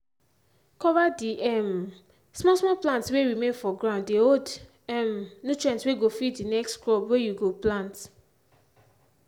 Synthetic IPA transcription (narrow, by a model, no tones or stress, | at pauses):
kɔvadiʔɛm | smɔsmɔlplãntsweɹimẽnfɔɡɹãʊ̃nddeod | ɛmnutɹɛ̃ntsweɡofiddinɛkstkɹɔpwejuɡoplãnt